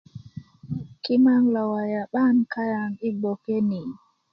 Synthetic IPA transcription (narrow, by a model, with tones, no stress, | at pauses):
ki˦ma˦ŋla˨wa˨ja˨ɓa˦nka˦ja˨ni˦bɔ˨ke˦ni˨